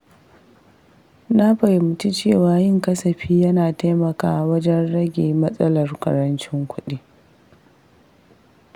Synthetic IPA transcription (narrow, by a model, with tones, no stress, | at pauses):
na˦ɸɐ˨jmʊ˨t͡ʃi˦t͡ʃeː˦˨waː˨˦jɪ˦ŋkɐ˦sɐ˨ɸiː˦jɐ˦naː˨ta˦jmɐ˨ka̰ː˦wɐ˦d͡ʒɛ˦nɽɐ˦ɡʲeː˨mɐ˦sʼɐ˦lɐ˨rkɐ̰˨ɾɐ˦nt͡ʃɪ˦ŋkʷʰʊ˦ɗi˦